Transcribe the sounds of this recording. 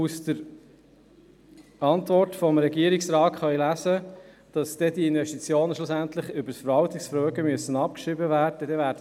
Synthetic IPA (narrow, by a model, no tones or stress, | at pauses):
ustəɾ | ɑntvɔɾtfɔmɾɛɡiəɾiksɾɑːtχœɥlæzə | d̥ɑsd̥ɛdiɪnvɛʃtit͡sjoːnəʃlʊsænt̪lɪχʏbəsfəɾʋɑltiksfɾøːɡəmyəsːənɑp̚kʃɾɪbəvæːrdəd̥ɛvæːɾdə